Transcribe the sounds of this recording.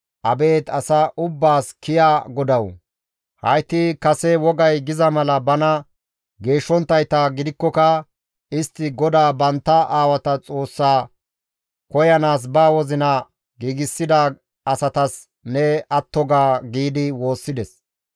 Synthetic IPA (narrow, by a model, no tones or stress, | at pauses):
ʔɐbe̞ːt̪ɐsɐʔʊbːaːskɪjaːɡɔd̪ɐw | hɐ̰jt̪ːɪkɐsɛwɔɡɐjɡɪzɐmɐlɐbɐnɐ | ɡe̞ːʃːɔnt̪ːɐjt̪ɐɡɪd̪ɪkːɔkɐ | ɪst̪ːɪɡɔd̪aːbɐnt̪ːɐʔaːwɐt̪ɐt͡sʼo̞ːsːaː | kɔjɐnaːs̬baːwɔzɪnɐ | ɡiːɡɪsːɪd̪a | ɐsɐt̪ɐs | nɛɐt̪ːɔɡaːɡiːd̪ɪwo̞ːsːɪd̪ɛs